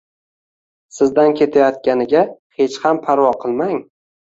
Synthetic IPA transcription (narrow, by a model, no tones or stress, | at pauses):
sɪzd̪ankʲʰe̞t̪ʰajɒt̪̚kʲanɪɡʲahe̞t͡ʃhampʰaɾvɒqʰɨlˠmaŋ